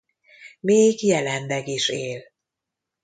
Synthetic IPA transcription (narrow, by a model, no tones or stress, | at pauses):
meːɡjɛlɛnlɛɡiʃeːl